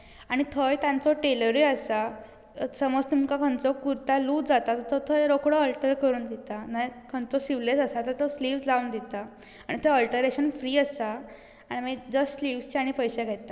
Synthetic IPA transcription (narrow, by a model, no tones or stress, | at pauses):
aɽ̃it̪ʰəjt̪jãnt͡sɔʈeləɾiəsa | səmɔd͡zt̪umkakʰə̃nt͡sɔkuɾt̪aluːd͡zat̪at̪ət̪ʰɔt̪ʰəjɾokɽɔəlʈəɾkəɾuːnd̪it̪anajkʰənt͡sɔsiʋlesəsat̪əɾt̪ʰɔsliʋsd͡zaund̪it̪a | aɽit̪ʰəəlʈəɾeɕənfɾiːəsaː | ɽ̃imad͡zəsliʋst͡ɕaɽ̃ipəjseɡʱajt̪a